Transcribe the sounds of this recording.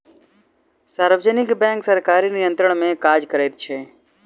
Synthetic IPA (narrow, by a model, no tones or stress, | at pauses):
saːɾʋd͡ʒənɪkbɛ̃ːŋksəɾkaːɾinɪjə̃nt̪ɾəɳ̃mẽkaːd͡ʒkəɾeːt̪t͡ʃʰeː